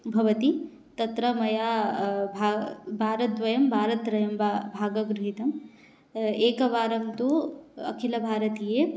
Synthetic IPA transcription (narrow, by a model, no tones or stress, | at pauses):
bʱɐʋɐt̪i | t̪ɐt̪ɾɐmɐjaːbʱabʱaːɾɐt̪̚dʋɐjɐmbʱaːɾɐt̪ɾɐjɐmbbʱaːɡɐɡɾuɦit̪ɐm | eːkɐʋaːɾɐmt̪uɐ̰kʰilɐbʱaːɾɐt̪ijeː